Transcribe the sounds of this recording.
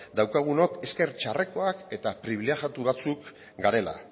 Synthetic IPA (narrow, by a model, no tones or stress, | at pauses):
d̪awkaɣ̞uno̞ke̞ske̞ɾt͡ʃare̞ko̞ake̞t̪apɾiβ̞ileɣjat̪uβat͡suk | ɡaɾe̞la̰